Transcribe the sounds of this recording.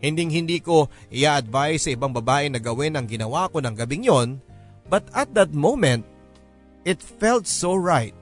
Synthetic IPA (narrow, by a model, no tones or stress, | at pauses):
hɪnd̪iŋhɪnd̪iːko̞ | ʔɪʔaʔɐd̪̚vaʔɪjsɐʔɪbɐŋbɐbaːʔɪnɐɡɐwɪnɐŋɡɪnɐwako̞nɐŋɡɐbɪŋjo̞n | bɐt̪ɐt̪̚d̪ɐt̪̚mowmɛnt̪̚ | ʔɪt̪fɛlt̪̚soɹajt̪̚